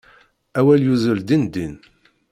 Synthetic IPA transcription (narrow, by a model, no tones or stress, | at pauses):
æwæljuzəld̪ind̪in